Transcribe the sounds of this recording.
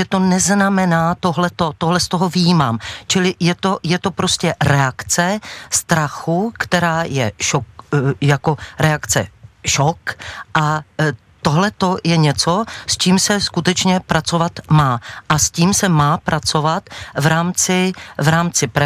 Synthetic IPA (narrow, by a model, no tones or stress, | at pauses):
ɛt̪o̞nɛznamɛnaːt̪oɦlɛt̪o̞t̪oɦlɛst̪o̞ɦo̞vɪjiːmaːmt͡ʃɪlɪjɛt̪o̞jɛt̪o̞pɾo̞scɛɾɛakt͡sɛst̪ɾaxukt̪ɛɾaːjɛʃokjako̞ɾɛakt͡sɛ̰ʃokʔa | t̪oɦlɛt̪o̞jɛɲɛt͡so̞st͡ʃiːmsɛskut̪ɛt͡ʃɲɛpɾʔat͡so̞vat̪maːʔasciːmsɛmaːpɾat͡so̞vat̪vɾaːmt͡sɪvɾaːmt͡sɪpɾɛ